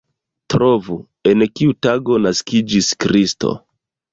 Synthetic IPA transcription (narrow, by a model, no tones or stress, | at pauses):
tɾovu | enkiutaɡo̞naskid͡ʒiskɾisto̞̰